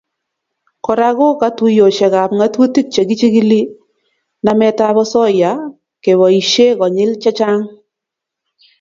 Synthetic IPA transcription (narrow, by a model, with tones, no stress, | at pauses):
kɔ˨ɾa˨ɡɔ˦ka˦tu˨˦jo˨ʃɛ˨ka˨p̚ŋa˦twu˦ti˦k̚t͡ʃe˨ɡi˦t͡ʃi˦ɡi˦li˦ | na˨mɛ˨ta˦βɔ˦sɔ˦ja˨ | ke˨βɔ˨i˨ʃe˦kɔ˨ɲɪ˦lt͡ʃa˦t͡ʃa˦ŋ